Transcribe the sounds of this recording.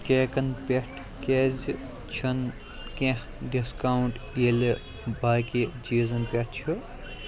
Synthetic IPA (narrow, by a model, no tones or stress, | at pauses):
keːkɐnpʲeʈʰ | keːzi | t͡ʃʰɐn | kẽh | ɖiskawuɳʈ | jele | bʱaːkid͡ʒiːzɐnpʲeʈ̚ʰt͡ʃʰu